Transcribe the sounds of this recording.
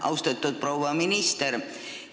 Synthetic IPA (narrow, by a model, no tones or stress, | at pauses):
ɑust̪ɑt̪ːot̪̚prouʋɑːminist̪er